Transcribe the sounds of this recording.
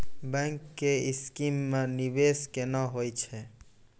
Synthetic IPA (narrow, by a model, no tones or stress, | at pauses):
bɛ̃ŋkːeɪskimːenibeskenaɦojt͡ʃʰɛ